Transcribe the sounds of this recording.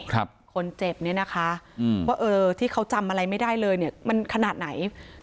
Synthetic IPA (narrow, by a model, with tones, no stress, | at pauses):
a˦˥p̚kʰo˧nt͡ɕe˨˩p̚ni˥˩ɐna˦˥kʰa˦˥˧waː˥˩ʔɤː˧t̪ʰiː˥˩kʰa˦˥wt͡ɕa˧mʔa˧ɾa˧jma˥˩jda˥˩jlɤː˧jni˥˩ɐma˧nkʰa˧naː˨˩t̪̚na˩˦j